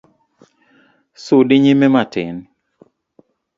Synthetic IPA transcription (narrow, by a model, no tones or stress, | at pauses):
sʊdɪɲimematɪ̰n